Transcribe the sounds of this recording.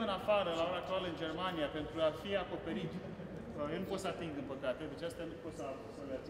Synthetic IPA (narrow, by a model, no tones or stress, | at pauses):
ɨnafaɾəlaoɾaːk̚t̪ualəɨnd͡ʒe̞rmanijape̞nt̪ɾuafiako̞pe̞ɾit̪ | jelnuposəat̪iŋɡ̪d̪ɨmpəkat̪ed̪et͡ʃast̪janupo̞t̪səavsəla